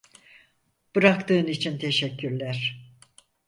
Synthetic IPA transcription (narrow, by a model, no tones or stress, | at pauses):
b̥ɯɾakt̪ɯːnit͡ʃʰint̪ʰeʃɛcːyɾlʲæɾ̥